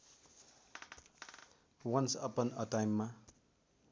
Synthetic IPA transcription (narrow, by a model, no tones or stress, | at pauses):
wʌnsʌpʌnʌʈajmːa